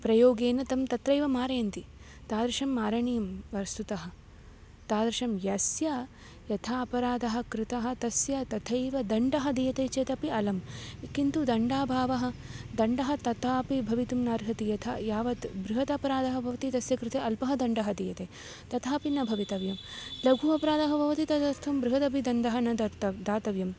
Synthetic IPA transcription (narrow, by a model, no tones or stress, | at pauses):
pɾɐjoːɡeːnɐt̪ɐmt̪ɐt̪ɾɐjʋɐmaːɾɐjɐnt̪i | t̪aːd̪ɾɐʃɐmːaːɾɐɳijɐmʋɐɾst̪ut̪ɐɦɐ̆ | t̪aːd̪ɾɐʃɐmjɐsjɐ | jɐt̪ʰaːɐpɐɾaːd̪ɐɦɐ̆kɾɪt̪ɐɦɐ̆t̪ɐsjɐt̪ɐt̪ʰɐjʋɐd̪ɐɳɖɐɦɐd̪ijɐt̪eːt͡ʃeːt̪ɐpiɐlɐmkint̪ud̪ɐɳɖaːbʱaːʋɐɦɐ̆d̪ɐɳɖɐɦɐ̆t̪ɐt̪aːpibʱɐʋit̪umnaːɾɦɐt̪ijɐt̪ʰɐjaːʋɐt̪bɾuɦɐt̪ɐpɐɾaːd̪ɐɦɐbʱɐʋɐt̪it̪ɐsjɐkɾɪt̪eːɐlpɐɦɐd̪ɐɳɖɐɦɐd̪iːjɐt̪eː | t̪ɐt̪aːpinɐbʱɐʋit̪ɐʋjɐmlɐɡʱuɐpɐɾaːd̪ɐɦɐbʱɐʋɐt̪it̪ɐt̪ɐɾt̪ʰɐmbɾuɦɐd̪ɐbid̪ɐnd̪ɐɦɐnɐd̪ɐt̪ɐd̪aːt̪ɐʋjɐm